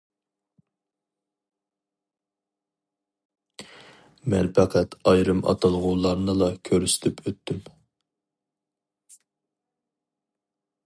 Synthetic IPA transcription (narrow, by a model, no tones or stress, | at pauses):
mɛnpʰæqʰɛt̪ʰɑjɾɨmɑ̰t̪ʰɑlˠʁulˠɑɾnɨlˠɑkʲʰøɾysɪ̥t̪ʰypʰøt̪ːym